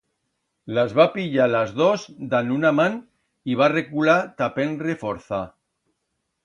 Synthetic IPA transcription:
lazβapiʎalazðozd̪anunaman | iβ̞arekulat̪apenrefoɾθa

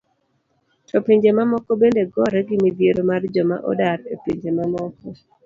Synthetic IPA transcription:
tʰɔpeɲd͡ʒemamɔkɔbendeɡɔɾɛɡɪmid̪jeɾomard͡ʒɔma̰ʔɔ̰daɾepeɲd͡ʒemamɔkɔ

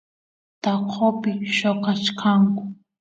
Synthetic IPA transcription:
t̪aopɪʃoqat͡ʃkʰaŋkʊ̥

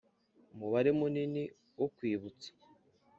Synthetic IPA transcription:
umuβaɾemunini | wokwiːβut͡sḁ

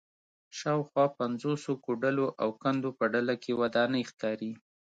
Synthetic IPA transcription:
ʃɑwxwɑpanzosokoɖəloʔawkand̪opəɖalakewad̪ɑnəjxkɑɾi

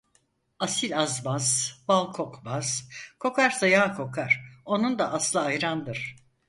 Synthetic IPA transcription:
asilʲazbaz̥balˠkʰokbaz̥kʰo̞kʰaɾsajaːkʰo̞kʰaɾ̥o̞nund̪aʔaslˠaːjɾand̪ɯɾ̥

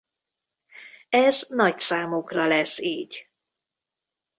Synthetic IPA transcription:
ɛznɒcsaːmukrɒlɛsiːɟ

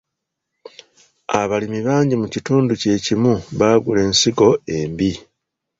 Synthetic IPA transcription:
a̰βalimiβaːɲɟimucituːnduce̞ːcimuβaːɡule̞ːnsiɡo̞e̞ːmbi

